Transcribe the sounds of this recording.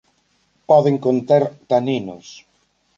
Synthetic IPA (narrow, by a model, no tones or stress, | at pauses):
pɔðeŋkont̪aɾt̪aninʊ̰s